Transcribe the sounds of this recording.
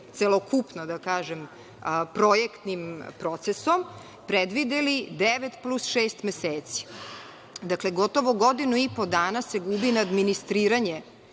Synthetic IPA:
t̪selˠokupnod̪akaːʒem | pɾojekt̪nimpɾo̞t̪sesom | pɾed̪ʋid̪elid̪eʋet̪plusʃeːst̪meseːt̪si̥ | d̪akleɡo̞t̪o̞ʋoɡo̞d̪inuipod̪aːnasːeɡubinaːd̪minist̪ɾiːɾaɲe

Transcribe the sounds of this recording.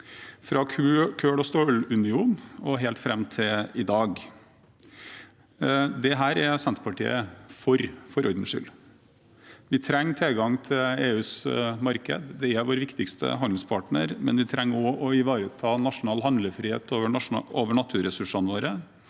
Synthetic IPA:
fɾɑkʰʉkʰøːɽɔst̪oːlʉnɪuːnɔɦɛlt̪fɾɛmːt̪ʰɪɪd̪ɑːɡ | d̪ɛɦæːɾɛsɛnt̪ɾpʰɑʈḭːəfɔɾfɔɾɔɾd̪n̩ʂʏ̰l | ʋɪt̪ʰɾɛŋːt̪ʰɛlɡɑŋt̪ʰɪleːʉːsmɑɾkə̰d̪d̪ɛɛʋoːɾʋɪkt̪ɪkst̪ə̰ɦɑnd̪ɪŋspʰɑʈɳəɾmɛ̰nʋɪt̪ʰɾɛŋːɔʔɔɪʋɑːɾət̪ʰɑːnɑʂʊnɑːlɦɑnd̪ləfɾiːhḛːt̪oʋəoːʋəɳɑt̪ʰʉːɾɛsʉʂɑnʋoːɾə

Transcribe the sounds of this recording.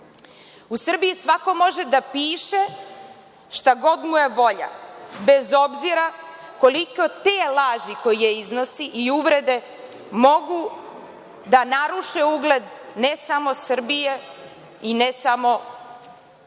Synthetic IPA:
usr̩bijisʋako̞mo̞ʒe̞d̪apiːʃe̞ | ʃt̪aɡo̞d̪muje̞ʋo̞ʎa̰bezo̞bziɾa | ko̞likot̪eːlˠaːʒiko̞jijeizno̞siʔiuʋɾed̪e̞ | mo̞ɡu | d̪anaɾuʃeuɡle̞d̪nesamo̞sr̩bije̞ | inesamo̞

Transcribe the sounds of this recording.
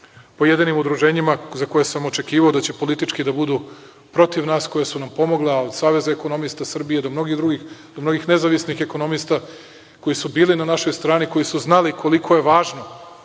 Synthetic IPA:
po̞jed̪inimud̪ɾuʒeːɲimazako̞jesamo̞t͡ʃe̞kiːʋaod̪at͡ɕe̞po̞lit̪it͡ʃkid̪abud̪u | pɾo̞t̪iʋnaːsko̞jesunampo̞mo̞ɡlˠeao̞d̪saːʋe̞zaeko̞no̞mist̪asr̩bije̞d̪o̞mno̞ɡid̪ɾuɡixd̪omno̞ɡixne̞zaʋisnixe̞ko̞no̞mist̪a | ko̞jisubiːlinanaʃo̞jst̪ɾaːniko̞jisuznalikʰo̞likʰo̞je̞ʋaːʒno̞

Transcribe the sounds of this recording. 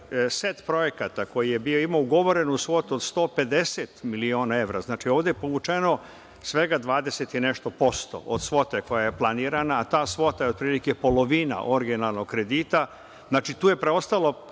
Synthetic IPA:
set̪pɾo̞je̞kat̪ako̞jije̞bioimauɡo̞ʋo̞ɾe̞nuusʋo̞t̪uod̪st̪o̞ːpe̞d̪e̞set̪milio̞ːnae̞ʋɾa̰znaːt͡ʃio̞ːʋd̪epoʋut͡ʃeno̞ | sʋe̞ɡad̪ʋaːd̪eset̪ine̞ʃt̪o̞po̞st̪o̞̰ʔod̪sʋo̞t̪eko̞jaje̞plˠaniːɾanaːt̪aːsʋo̞t̪ajeo̞d̪̚pɾiːlike̞po̞lo̞ʋiːna̰ʔo̞ɾiɡinalˠnoɡkɾe̞d̪iːt̪a | znaːt͡ʃit̪uːje̞pɾeo̞st̪alo̞

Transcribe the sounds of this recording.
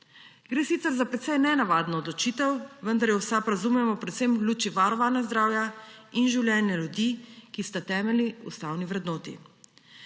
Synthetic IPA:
ɡɾeːsit̪sɛɾzapɾɛt̪sɛjnɛnaʋaːd̪nɔːd̪lɔt͡ʃiːt̪ɛwʋənd̪aɾjɛwsapɾazumɛmɔpɾɛt̪semlʲuːt͡ʃiʋaɾɔʋanazd̪ɾaːwjainʒiwlʲjɛːnɛljud̪ikist̪at̪ɛːmɛliṵst̪aːwniʋɾɛd̪noːt̪ḭ

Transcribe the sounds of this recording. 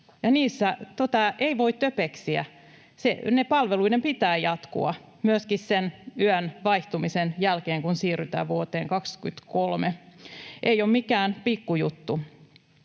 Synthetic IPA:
jɑniːsːæt̪ot̪ɑeiʋoit̪t̪øpeksiæ̰ | sḛnepɑlʋeluidempit̪æːjɑt̪kṵɑ̰ | myøskissenyænʋɑiht̪umisenjælkeːŋkunsiːryt̪æ̰ːʋuot̪eːŋkɑksky̰t̪kolmeʔejommikæːnpikːujut̪ːu

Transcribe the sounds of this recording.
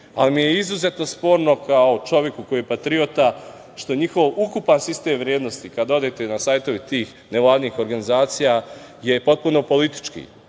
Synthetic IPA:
alimijeizuze̞t̪no̞spo̞ːɾno̞kao̞t͡ʃo̞ʋje̞kuko̞jiːjepat̪ɾio̞t̪a | ʃt̪oɲixo̞ʋukupansist̪e̞ːmʋɾjeːd̪no̞st̪ikad̪o̞d̪et̪e̞nasaːjt̪o̞ʋit̪iːx | neʋlˠaːd̪niːxo̞ɾɡanizaːt̪sija | je̞po̞t̪̚puno̞po̞lit̪i̥t͡ʃkḭ

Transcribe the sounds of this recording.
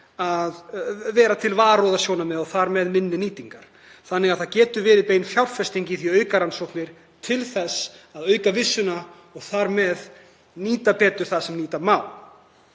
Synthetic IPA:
aðvɛːɾat̪ʰɪlvaːɾowðasjownamɛðɔɣθaɾmɛðmɪnːɪniːt̪iŋkaɾ̥ | θanːɪɣaðθaðcɛːt̪ʏvɪːðɪpeːjnfjawrfɛst̪iɲcɪθiœːɥkaɾansowknɪɾ̥ | t̪ʰɪlθɛsaðœːɥkavɪsːʏna | ɔɣθaɾmɛð | niːt̪apɛːt̪ʏɾ̥θaðsɛmniːt̪amaːwl

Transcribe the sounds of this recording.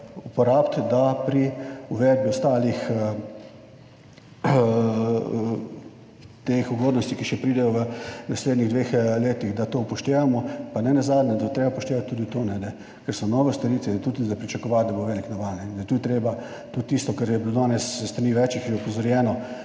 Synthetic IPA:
upɔɾaːpt̪d̪apɾiuʋɛd̪̚biɔst̪aːlix | t̪exuɡoːd̪nɔst̪ikiʃɛpɾiːd̪ɛjɔʋənasleːd̪niɣd̪ʋeːxleːt̪iɣd̪at̪oːpɔʃt̪eːʋamɔpanɛnazaːd̪nʲɛd̪at̪ɾeːbapɔʃt̪eːʋat̪ʲtːuːd̪it̪oːnɛd̪ɛ | kɛɾsɔnɔːʋɛst̪ɐɾiːt̪ʋɛɛt̪uːd̪izapɾit͡ʃɐkɔʋat̪̚d̪aboʋeːliknaʋanɛind̪ajɛt̪ud̪it̪ɾeːba | t̪ut̪ːiːst̪ɔkaɾjɛbilod̪aːnɛsəst̪ɾaniʋɛt͡ʃikɛpɔzɔɾjɛːnɔ

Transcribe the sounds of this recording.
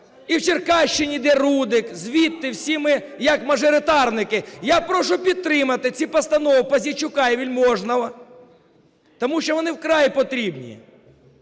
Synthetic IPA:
iwt͡ʃɪrkɑʃt͡ʃɪnʲid̪ɛɾud̪ɪkzʲʋʲit̪ːɪwsʲimɪ | jɐkmɐʒɔɾɪt̪ɑrnɪkɪjapɾɔʃʊpʲid̪̚t̪ɾɪmɐt̪ɪt͡sʲipɐst̪ɐnɔwpɐzʲit͡ʃʊkɑiʋʲilʲmɔʒnɐlˠɐ | t̪ɔmuʃt͡ʃɔʋɔnɪwkɾɑjpɔt̪ɾʲibnʲḭjḭ

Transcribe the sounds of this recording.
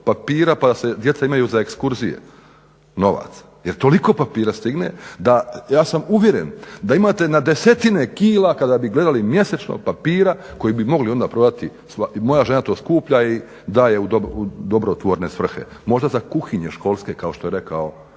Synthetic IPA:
papiːɾapad̪ase̞d̪je̞t̪saimajuːzaekskuɾzijḛ | no̞ʋa̰t̪s | jeɾt̪o̞liko̞ːpapiːɾast̪iɡne̞̰d̪ajaːsamuʋje̞ɾe̞̰nd̪aimaːt̪e̞nad̪e̞se̞t̪inekiːlakad̪abiɡle̞d̪alimje̞set͡ʃno̰papiːɾako̞jibimo̞ɡlio̞nd̪aːpɾo̞d̪at̪i | samo̞jaʒe̞nat̪o̞ːskuːpʎai | d̪aːje̞ud̪oud̪o̞bɾot̪ʋoɾne̞sʋr̩xe̞̰mo̞ʒd̪azakuxiɲeʃko̞ːlˠske̞kao̞ʃt̪ojeɾe̞kao

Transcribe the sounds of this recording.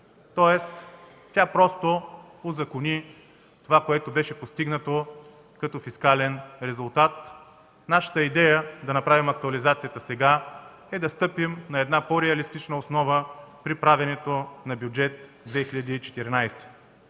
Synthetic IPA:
t̪ɔɛst̪ | tʲapɾɔst̪o | ozɐkʊnʲi | t̪ovakoɛt̪obɛʃɛpost̪iɡnət̪o | kɐt̪ɔfiskalɛnɾɛzʊlˠt̪at̪ | naʃə̥t̪əid̪ɛjəd̪ɐnɐpɾavimɐk̚t̪uɐlizat̪sijət̪əsɛɡa | ɛd̪ɐst̪ɤpimnɐɛd̪napoɾɛɐlist̪it͡ʃnəosnɔvəpɾipɾavʲɛnɛt̪onɐbʲjud͡ʒɛt̪ | d̪vɛxiʎʲɐd̪iːt͡ʃɛ̥t̪iɾnajsɛ̥

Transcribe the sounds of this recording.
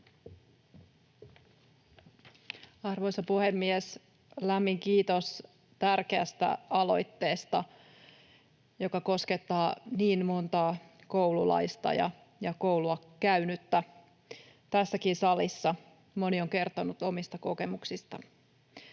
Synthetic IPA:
ɑrʋo̞jsɑpuhemːies | læmːiŋkiːt̪os | t̪ærkeæst̪æ̰ɑlo̞̰jt̪ːe̞ːst̪ɑ | jo̞kɑko̞ske̞t̪ːɑːniːmmo̞nt̪ɑːkowlulɑ̰jst̪ɑ̰jɑ̰ | jɑkowluɑ | kæɥnyt̪ːæ | t̪æsːækinsɑlisːɑ | mo̞nioŋke̞rt̪o̞nut̪o̞mist̪ɑko̞ke̞muksist̪ɑ

